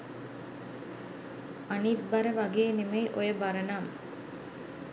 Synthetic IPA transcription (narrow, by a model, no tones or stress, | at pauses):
aniːt̪̚bɐɾəʋaɡeːnemejʔojəbaɾɐnaːm